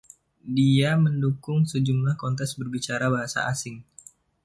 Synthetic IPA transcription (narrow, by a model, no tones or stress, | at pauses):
diaməndukʊŋsəd͡ʒumlahkɔnt̪ɛsbərbit͡ʃaɾabaɦasa̰ʔasɪŋ